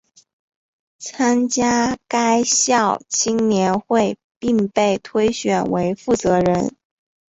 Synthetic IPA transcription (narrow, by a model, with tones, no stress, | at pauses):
t͡sʰa˥nt͡ɕja˥ka˥ɪɕjɑ˥˩ʊt͡ɕʰi˥ŋnjɛ˧˥nxwe˥˧ɪ | pi˥˧ŋpe˥˩ɪt̪ʰwe˥ɪɕɥɛ˨˩nwe˧˥ɪfu˥˩t͡sɤ˧˥ɻə˧˥n